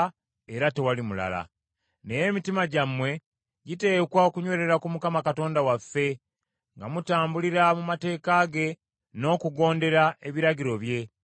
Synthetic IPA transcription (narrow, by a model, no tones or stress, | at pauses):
e̞ɾate̞walimula̰la̰ | ne̞je̞mitimaɟamwe̞ | ɟite̞ːkwaokuɲwe̞ɾe̞ɾakumukamakato̞ːndawafːe̞ | ŋɡamutaːmbuliɾamumate̞ːkaɡe̞ | no̞ːkuɡo̞ːnde̞ɾae̞βiɾaɟiɾo̞βje̞